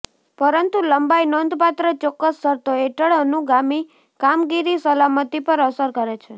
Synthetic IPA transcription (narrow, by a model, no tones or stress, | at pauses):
pəɾənt̪uləmbainond̪ʱpat̪ɾət͡ʃɔkːəsːəɾt̪oeʈəɭənuɡami | kamɡiɾisəlamət̪ipəɾəsəɾkəɾet͡ʃʰe